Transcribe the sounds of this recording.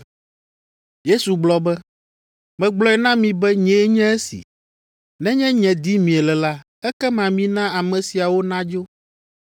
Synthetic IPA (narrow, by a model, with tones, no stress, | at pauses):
je˦su˨ɡ͡blɔ˦bɛ˦ | mɛ̃˨ɡ͡blɔ˦ɛ˨nã˦mĩ˨bɛ˦ɲɛ̃˦ɲɛ̃˦ɛ˦sḭ˨ | nɛ̃˦ɲɛ̃˦ɲɛ̃˨d̪i˦mĩ˨ɛ˨lɛ˨la˦ | ɛ˦kɛ˦mã˨mĩ˦nã˦a˨mɛ̃˨si˨a˨wo˦nã˦d͡ʒo˦